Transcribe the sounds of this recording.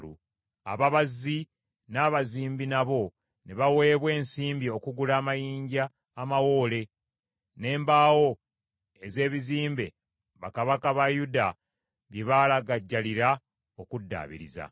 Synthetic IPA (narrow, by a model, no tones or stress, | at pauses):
ṵ | a̰βaβazːi | naːβaziːmbinaβo̞ | neβawe̞ːβwe̞ːnsiːmbio̞kuɡulaːmajiːɲɟaː | mawo̞ːle̞ | ne̞ːmbaːwo̞ | e̞ze̞ːβiziːmbe̞̰ | βakaβakaβajuda | βjeβalaɡaɟːaliɾa | okudːa̰ːβḭɾḭza̰